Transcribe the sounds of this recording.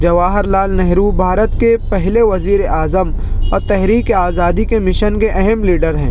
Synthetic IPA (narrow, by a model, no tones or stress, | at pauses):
d͡ʒɐʋaːɦəɾlaːlnɛɦɾubʱaːɾət̪kepɛɦleʋɐziːɾeʔaːzəm | ɔːɾt̪ɛɦɾiːkeaːzaːd̪ikemɪʃənkeʔɛɦɛmliːɖəɾɦɛ̃ː